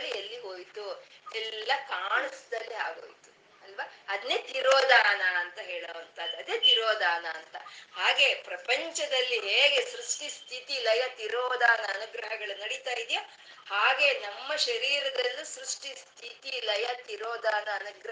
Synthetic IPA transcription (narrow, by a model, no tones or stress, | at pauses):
lːielːiɦoːjt̪uɛlːɐkaːɳɐsd̪ɐlːiɦaːɡo̰ːjt̪u̥ | ɐlʋɐɐd̪neːt̪iɾoːd̪aːnɐɐnt̪ɐɦe̞ːɭoːʋɐnt̪ʰɐd̪uɐd̪eːt̪iɾoːd̪aːnɐːnt̪ɐ̰haːɡe̞ːpɾɐpɐɲt͡ʃɐd̪ɐlːiɦeːɡe̞sɾuʂʈist̪ʰit̪ilɐjɐt̪iɾoːd̪aːnɐːnuɡɾɐɦɐɡɐɭunɐɽit̪aːjid̪ija | haːɡe̞nɐmːɐʃɐɾiːɾɐd̪ɐlːisɾuʂʈist̪ʰit̪ilɐjɐt̪iɾoːd̪aːnɐːnuɡɾɐ